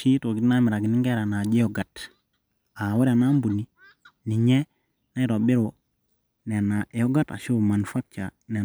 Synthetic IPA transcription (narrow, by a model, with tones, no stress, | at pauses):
ʃi˦to˨ɡi˦na˦mi˨ɾa˨ɡi˨ni˦ŋɡe˦ɾa˨na˨d͡ʒi˦jo˦ɡa˨t | a˨wa˦ɾa˨na˦mbu˨ni˦ | ni˨ɲe˦ | na˦i˦ɾo˨bi˦ɾo˨ | ne˨na˨ʔjo˦ɡa˦ta̰˨ʃu˦˨ma˨n˨fa˦k̚t͡ʃa˨ | ne˨